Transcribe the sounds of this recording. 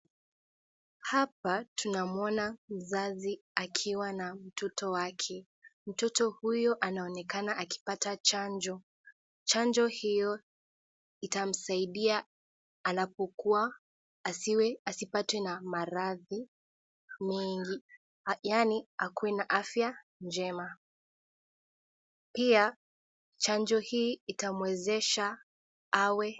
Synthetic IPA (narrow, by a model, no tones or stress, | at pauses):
hap̚atʰunamɔnam̩zaziakʰiwanam̩tʰɔtʰɔwakʰɛ | m̩tɔtɔhujɔʔanaɔnɛkanaʔaki̥patat͡ʃand͡ʒɔ | t͡ʃand͡ʒɔhijɔ | itam̩saiɗia | anapɔkuwa | ɛasipatwɛnamaɾaði | mɛŋɡi | janiakuwɛnaʔafja | nd͡ʒɛma | pia | t͡ʃand͡ʒɔhiːitamwɛzɛʃa | awɛ